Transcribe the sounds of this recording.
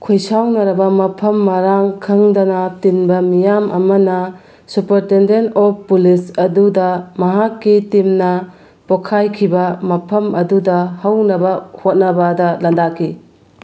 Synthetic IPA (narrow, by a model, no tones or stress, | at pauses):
kʰojsawnɐɾɐbɐmɐpʰɐmːɐɾaŋkʰɯŋdɐnɐtinbɐmijamʔɐ̰mɐnɐ | supɐɾtendentɔppulisɐdudɐmɐɦakːitimnɐ | pokʰajkʰibɐmɐpʰɐmɐdudɐhɐwnɐbɐhot̚nɐbɐdɐlɐndakʰi